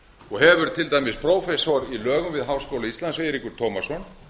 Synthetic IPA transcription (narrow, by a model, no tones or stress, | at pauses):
ɔɦɛvʏɾ̥t̪ʰɪlt̪aːjmɪspʰɾoːwfɛsɔɾilœːɣʏmvɪðɦawskowlaist̪lansejɾikʏɾ̥t̪ʰoːwmasɔn